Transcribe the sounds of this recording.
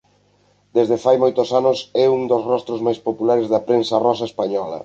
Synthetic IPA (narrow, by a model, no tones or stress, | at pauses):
d̪ezðefajmojt̪ʊsanʊsɛuŋd̪osrɔst̪ɾozmajspopulaɾezðɐpɾensɐrɔsɐespaɲɔlɐ̰